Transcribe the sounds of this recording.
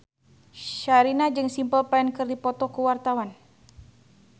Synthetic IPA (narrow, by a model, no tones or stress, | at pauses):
ʃaɾinad͡ʒɨŋsimpəlpaɛnkɨrdipɔt̪ɔkuwart̪awan